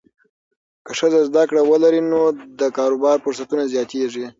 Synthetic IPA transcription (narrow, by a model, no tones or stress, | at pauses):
kəʂəzazd̪akɽawəlaɾinod̪əkɑɾobɑɾfʊɾsat̪unazjɑt̪eʐi